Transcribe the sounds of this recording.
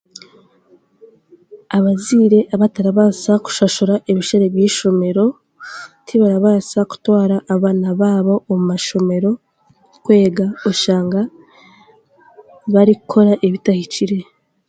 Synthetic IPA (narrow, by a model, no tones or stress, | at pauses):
aβaziːɾe̞ʔaβataɾaβasaku̥ʃaʃoɾaʔeβiʃaɾe̞βjiːʃo̞me̞ɾo̞ | tʰiβaɾaβasaku̥twaːɾaʔːβaːnaβaːβo̞omumaʃo̞me̞ɾo̞ | kwe̞ːɡaoʃaːŋɡa | βaɾikukʰo̞ɾaʔeβitahit͡ʃiɾe̞